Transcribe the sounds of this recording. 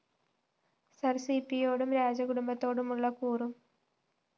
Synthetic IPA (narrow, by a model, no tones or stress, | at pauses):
sɐrsipːijo̞ːɽumɾaːd͡ʑɐkuɽumbɐt̪ːo̞ːɽumuɭːɐkuːrum